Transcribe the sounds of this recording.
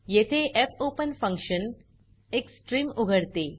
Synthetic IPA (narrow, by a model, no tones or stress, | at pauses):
jet̪ʰeʔepʰoːpənfɐ̃ŋkʃən | eksʈɾiːmuɡʱəɽt̪e